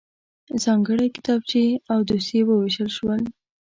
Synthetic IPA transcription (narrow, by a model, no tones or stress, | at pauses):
zɑŋɡəɽajkɪ̥t̪ɑbt͡ʃeawd̪usewəweʃəlʃwəl